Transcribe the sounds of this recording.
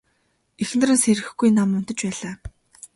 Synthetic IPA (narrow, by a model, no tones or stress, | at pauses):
exn̆rɘ̆nseɾɘ̆xɡujnamʊnt̪ə̆t͡ɕpæːɮaː